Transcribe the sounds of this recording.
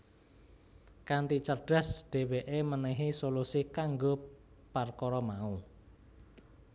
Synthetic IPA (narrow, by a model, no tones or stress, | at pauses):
kant̪it͡ʃərɖ̥a̤sd̥e̤weʔemənɛɦisolusikaŋɡo | parkɔɾɔmau